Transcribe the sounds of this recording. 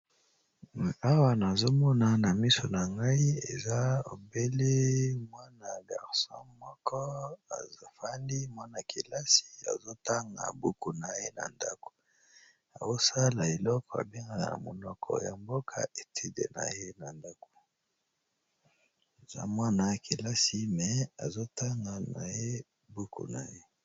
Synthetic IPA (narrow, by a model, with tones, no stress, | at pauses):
a˦wa˨na˨zo˦mɔ˦na˨na˨mi˦so˨na˨ŋɡa˦i˦ḛ˨za˦o˨be˦le˦mwa˦na˨ɡa˨ʁsɔ̰̃˦mɔ˦kʰɔ˦a̰˨zo˦fa˦ndi˦mwa˦na˨ki˨la˦si̥˨a̰˨zo˦ta˦ŋɡa̰˨bu˦ku˨na˨je˦na̰˨nda˦ko̥˨ | a˨wo˦sa˦la˨e˨lɔ˦kɔ˨a̰˨be˦ŋɡa˨na̰˨mo˨nɔ˦kʰɔ̰˨ja˨mbo˦kʰa̰˦e˨tʰi˦dḛ˨na̰˨je˦na˨nda˦ko̥˨ | e˨za̰˦mwa˦na˨kʰi˨la˦si˨mɛ˨a˨zo˦ta˦ŋɡa˨na˨je˦ | bu˦kṵ˨na˨je˦